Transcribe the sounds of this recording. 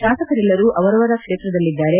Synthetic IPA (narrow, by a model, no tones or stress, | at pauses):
ʃaːsɐkɐɾɛlːɐɾuʔɐʋɐɾɐʋɐɾɐkʂeːt̪ɾɐd̪ɐlːid̪ːaːɾe̞